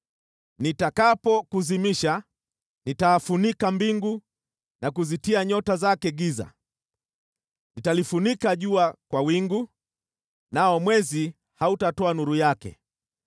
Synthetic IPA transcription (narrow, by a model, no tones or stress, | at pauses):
nitakapɔkuzimiʃa | nitaːfunikambiŋɡu | nakuzitiaɲɔtazakɛɡiza̰ | nitalifunikaʄuakwawiŋɡu | naɔmwɛzi | hautatɔanuɾujakɛ̰